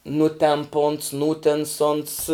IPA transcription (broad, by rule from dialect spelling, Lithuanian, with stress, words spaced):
ˈnʊtʲɛmp ʊns ˈnuːtʲɛns ʊns